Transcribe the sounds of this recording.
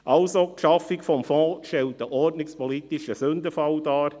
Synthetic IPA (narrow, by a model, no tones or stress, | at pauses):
ʔɑlsokʃɑfɪkfɔmfɔ̃ːʃtɛlt̚d̥əʔɔɾdnɪkspɔlit̪iʃəsɵnd̪əfɑwdɑːɾ